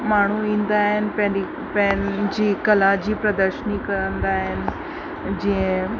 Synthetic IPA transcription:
maːɳ̤uĩːnd̪aːɦɪnɪ̆pɐ̃ɦ | pə̃ɦɪnd͡ʑiːkɐlad͡ʑiːpɾɐd̪əɾʃənikɐɾə̃nd̪aːɦɪnɪ̆ | d͡ʑiə̃

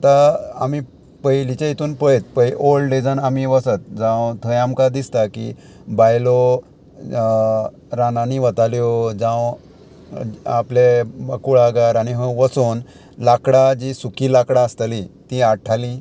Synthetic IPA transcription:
t̪aa̰mi | pəjlit͡ɕẽit̪uːnpəɭjt̪̚pəjʔolɖed͡zənamiʋəsət̪̚d͡zãwt̪ʰəjamkad̪ist̪akḭ | bajlo | ɾananiʋət̪aljod͡zãw | a̰pleakuɭaɡaɾaɽ̃iɦə̃ʋəsuːn | lakɽad͡ʑisukilakɽaəst̪alit̪ĩaʈʰalĩ

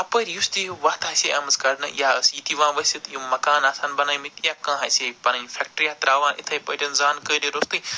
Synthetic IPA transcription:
ɐpəːɾjust̪iʋat̪aːsʲeɐmɐzkɐɾnɐ̰jaːəsjit̪iʋãːʋɐsit̪jumɐkaːnaːsanbɐnaːjmit̪jaːkãːɦasʲepɐnɐnfʰʲek̚ʈɾiat̪ɾaːʋãːʔɪ̰t̪ʰɐjpɐʈʲɐnzaːnkəːɾeɾost̪ɨ

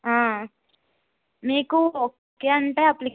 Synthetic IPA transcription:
ɦãː | meːku | kjaːɐɳʈeaplik

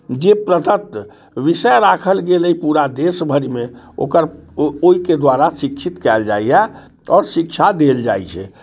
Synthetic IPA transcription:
d͡ʒepɾət̪ət̪ː | ʋisəɾakʰəlɡeləipuɾad̪esbʱəɾime | o̰kəɾoiked̪waɾasikt͡ʃʰit̪kɛld͡ʒajjɛ | ɔːɾsikt͡ʃʰad̪eld͡ʒa̰jt͡ʃʰɛ̰

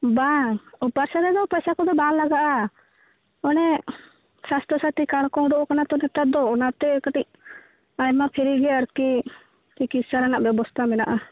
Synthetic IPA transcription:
baupaɾsaɾɛd̪ɔpəjsakɔd̪ɔbalaɡaʔa | ɔnɛ | sast̪əsaʈ̪ikaɽ̃kɔ̃ɖɔʔɔkanat̪ɔnɛt̪ad̪ɔɔnat̪ɛkəʈic̚ | ajmapʰiɾiɡɛaɾki | t͡ʃikit̪saɾanaʔbjɛbɔst̪ʰamɛnaʔa

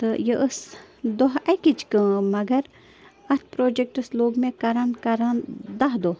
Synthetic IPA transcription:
t̪ɨjəʔəsd̪oɦɐkit͡ʃʰkə̃mɐɡɐɾ | ɐt̪̚ʰpɾoːd͡ʒek̚ʈɨsloːɡmẽkɐɾankɐɾãnd̪ɐɦd̪o

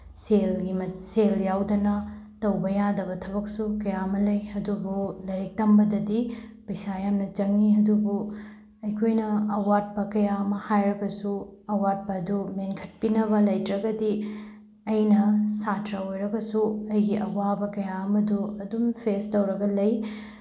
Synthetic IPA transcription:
selɡimɐseljawdɐnɐ | tɐwbɐjadɐβɐtʰɐbɐk̚sukɐjamɐlɐjɐdubulɐɾik̚tɐmbɐdɐdipɐjsajamnɐt͡ʃɐŋniɐdubu | ɐjkʰojnɐɐwat̚pɐkɐjamɐhajɾɐɡɐsuɐwat̚bɐɐdumenkʰɐt̚pinɐβɐlɐjtɾɐɡɐdi | ɐjnɐsatɾɐojɾɐɡɐsuɐjɡiʔɐwabɐkɐjaɐmɐduɐdumpʰestɐwɾɐɡɐlɐj

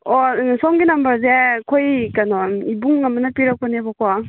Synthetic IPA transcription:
ɔsɔŋɡinɐmbɐɾzekʰojkanɔibuŋːɐmɐnɐpiɾak̚pɐnebɔkwa

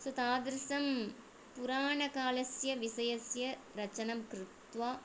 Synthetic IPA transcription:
sɐt̪aːd̪ɾɪsɐm | pʊɾaːɳɐkaːlɐsjɐʋɪsɐjɐsjɐɾɐt͡ʃːɐnɐmkɾɪt̪ʋaː

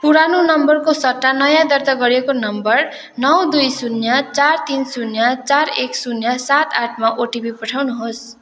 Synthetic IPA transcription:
puɾanunʌmbʌrkosʌʈ̪ːanʌjãd̪ʌrt̪aɡʌɾekonʌmbʌr | nʌwd̪ujsunjʌt͡sart̪insunjat͡sareksunjʌsat̪aʈʰmaʔoʈibipʌʈʰawnuɦos

